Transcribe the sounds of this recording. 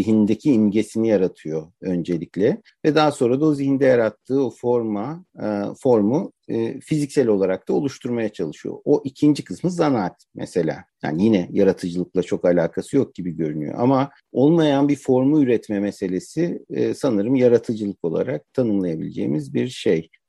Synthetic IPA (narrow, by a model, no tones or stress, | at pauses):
iɦind̪ecʰiːnɟe̞sinijaɾat̪ʰɯjo̞ø̞nd͡ʒe̞lʲiclʲɛ | vɛd̪aɦso̞nɾad̪ao̞zihind̪ɛjaɾat̪ʰːɯːo̞foɾmafo̞ɾmufizicsɛlʲo̞lˠaɾak̚t̪ʰao̞lˠuʃt̪ʰuɾmajat͡ʃʰalˠɯʃɯjo̰oʔicʰind͡ʒikʰɯsmɯzanaːt̪mʔɛ̰se̞lʲa̰ːja̰ːnijinɛjaɾat̪ʰɯd͡ʒɯlˠɯk̚lˠat͡ʃʰo̞kalʲaːkʰasɯjo̞k̚ɟ̥ibiɟø̞ɾyny̰jo̰ʔama | o̞lˠmajanbifo̞ɾmuyɾɛt̪mɛmese̞lʲe̞sisanɯɾɯmjaɾat̪ʰɯd͡ʒɯlˠɯko̞lˠa̰ɾak̚t̪ʰanɯmlˠajabil̰ʲd͡ʒḛːimizbiɾʃej